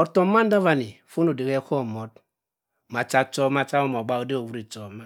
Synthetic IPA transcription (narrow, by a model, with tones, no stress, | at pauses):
ɔ˨to˨˦ma˦n˦da˦va˨ni˨fo˦no˨de˨ke˦kɔ˦˨mo˦t̚ | ma˨t͡ʃa˦t͡ʃɔ˦ma˦t͡ʃa˦o˦mɔ˨ɡ͡ba˦o˦de˦o˨wu˦ɾi˨t͡ʃɔ˨˦ma˦